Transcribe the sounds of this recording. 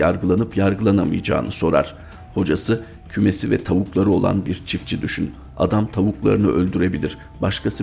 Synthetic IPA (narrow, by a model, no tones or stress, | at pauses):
aɾɡɯlˠanɯpjaɾɡɯlˠanamɯ̰jd͡ʒa̰ːnɯso̞ɾa̰ɾ̥ | ho̞d͡ʒasɯ | cʰyme̞sivɛ̰t̪ʰavuklˠaɾɯo̞̰lˠa̰nbiɾt͡ʃʰift͡ʃʰid̪yʃyn | a̰d̪amt̪ʰavuklˠa̰ɾɯnɯʔø̞lʲd̪yɾe̞bilʲiɾ̥ | baʃkʰasi